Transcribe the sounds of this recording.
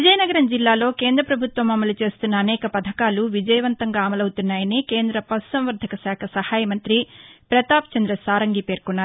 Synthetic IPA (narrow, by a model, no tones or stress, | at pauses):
ʋid͡ʒɐjɐnɐɡɐɾɐmd͡ʒilːaːlo̞ːke̞ːnd̪ɾɐpɾɐbʱut̪ʋɐmɐmɐlut͡ʃe̞ːst̪unːɐːnɛːkɐpɐd̪ʱɐkaːluʋid͡ʒɐjɐʋɐnt̪ɐŋɡaːmɐlɐwut̪unːaːjɐnikeːnd̪ɾɐpɐssɐmʋɐɾd̪ʱɐkɐsaːkʰɐsɐhaːjɐmɐnt̪ɾipɾɐt̪aːpt͡ʃɐnd̪ɾɐsaːɾɐŋɡipe̞ːɾkunːaːɾu